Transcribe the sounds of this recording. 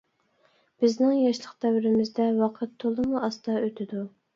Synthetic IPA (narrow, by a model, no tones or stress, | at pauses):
b̥ɪznɪŋjɑʃlˠəqd̪ɛwɾɪmɪzd̪ɛwɑqʰət̪ʰːolˠɨmuʔɑst̪ɑøt̪ʰɪd̪u